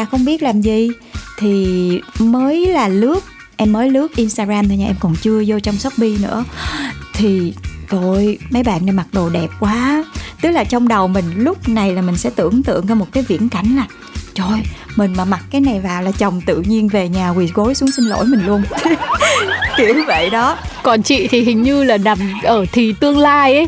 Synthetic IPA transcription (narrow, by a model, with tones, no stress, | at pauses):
aː˧˩xə˧wŋ͡mɓi˦˥ət̚laː˨˩mzi˨˩ | t̪ʰi˨˩məː˨˦jlaː˨˩lɨ˦˥ək̚ | ʔɛ˧mːəː˨˦jlɨ˦˥ək̚ʔi˧nst̪aː˧ɣaː˧mt̪ʰaː˧ɲaː˧ʔɛ˧mkɔ˨˩nt͡ɕɨ˧əzo˧t͡ɕɔ˧wŋ͡msɔ˦˥k͡p̚ɓi˧nɨ̰˧˥ət̪ʰi˨˩to˧˩jmə˨˦jɓa̰ː˧˨nːa˧˩ma˨˩t̚ɗo˨˩ɗɛ˨˩p̚kwaː˨˦t̪ɨ˦˥k̚laː˨˩t͡ɕɔ˧wŋ͡mɗə˨˩wmï˨˩ŋ̟lʊ˦˥k͡p̚na˨˩jlaː˨˩mï˨˩ŋ̟sɛ̰˧˥t̪ɨ̰˧˩əŋt̪ɨ̰˧əŋt͡ɕɔ˧mo˨˩t̚kaː˨˦jvḭ˧˥ənka˨˦jŋ̟laː˨˩ | t͡ɕʰo˧jmï˨˩ŋ̟maː˨˩ma˨˩t̚kaː˨˦jna˨˩jvaː˨˩wlaː˨˩t͡ɕə˨˩wŋ͡mt̪ɨ̰˧˨ɲi˧ənve˨˩ɲaː˨˩ɣwi˨˩ɣo˨˦jsu˨˦əŋsï˧nlo̰˧˥jmï˨˩ŋlu˧ən | k̪i˨˧˩ə˨˦və̰˧˨jɗɔ˨˦kɔ˨˩nt͡ɕḭ˧˨t̪ʰi˨˩hï˨˩ŋ̟ɲɨ˧laː˨˩na˨˩mʔəː˧˩t̪ʰi˨˩t̪ɨ˧əŋlaː˧jʔə˨˦